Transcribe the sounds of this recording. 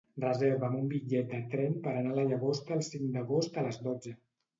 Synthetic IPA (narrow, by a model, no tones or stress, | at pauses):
rəzeɾβəmumbiʎɛt̪̚d̪ət̪ɾɛmpəɾənaləʎəɣost̪əlˠsiŋd̪əɣost̪ələzdɔd͡zə